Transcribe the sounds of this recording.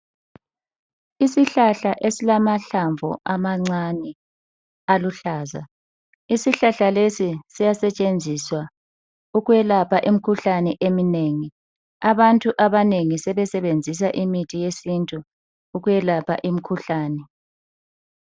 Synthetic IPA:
isiɬaɬaʔesilamaɬaɱvʱɔ̰ʔamaŋ͡ǀani | aluɬaːza̰ | isiɬaɬalesisijasɛt͡ʃʼend͡zʱiswa | uɣujɛlapʰaʔim̩kʰuɬanɛʔemineːŋi | aβantʼuʔaβaneŋisɛβɛsɛβend͡zʱis̬aʔimitʰʼijesintʼuː | ɣujɛlapʰa̰ʔimikʰuɬaːnɛ

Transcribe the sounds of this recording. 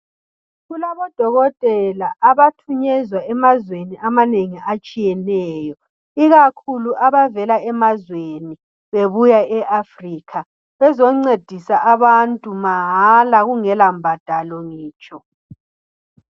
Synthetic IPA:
ɣulaβɔd̥ʱɔɣɔtʼɛlaʔːβatʰuɲɛzwaɛmazweniamaneŋiʔat͡ʃʼijɛnɛːjɔ | iɣakʰuluʔaβavɛlaɛmazweni | βeβujaɛʔafriːkʰa | βɛzɔŋ͡ǀed̥ʱisaʔaβantʼumaɦalaɣuŋɛlambʱad̥ʱalɔŋiːt͡ʃʼɔ

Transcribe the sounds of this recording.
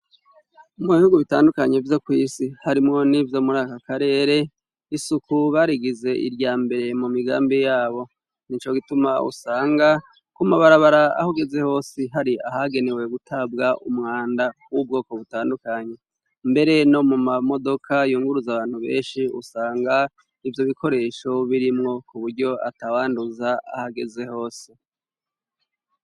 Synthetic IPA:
muβihuɡuβitaːndukaɲe̞vjo̞kwiːsihaɾimŋo̞nivjo̞ːmuɾaːkakaɾe̞ːɾe̞ | isukuβaɾiɡize̞ʔḭɾɟaːmbe̞ɾe̞mumiɡa̰ːmbijaːβo̞ | nit͡ʃo̞ɡitumaṵsaːŋɡa | kumuβaɾaβaɾaa̰hoɡeze̞ho̞ːsiɦaɾia̰ɦaɡe̞ne̞we̞ɡutʰab̚ɡaʔumŋaːndawub̚ɡo̞ːko̞βutaːndukaɲe̞ | mbe̞ɾe̞no̞mumamo̞do̞kʰajuːŋɡuɾuzaβaːn̥huβe̞̰ːnʃiṵsaːŋɡa | ivjo̞βiko̞ɾe̞ʃo̞βiɾimŋo̞kuβuɾɟo̞a̰tawaːnduzaa̰haɡe̞ze̞ho̞ːse

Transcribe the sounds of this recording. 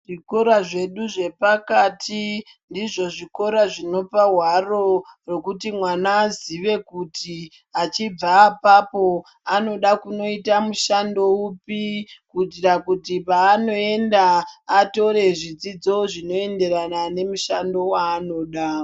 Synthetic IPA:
ʐiko̞ɾaʐe̞ɗuʐe̞pakatʰi | ndiʐo̞ʐiko̞ɾaʐino̞paɦwaro̞ro̞kutimwanaːziʋe̞kuti | at͡ʃib͡vaːpapo̞ | ano̞ɗakuno̞itamuʃando̞upikutirakutipaːno̞e̞ndaːto̞ɾe̞ʐid͡zid͡zo̞ʐino̞e̞nde̞ɾanane̞muʃando̞waːno̞ːɗa

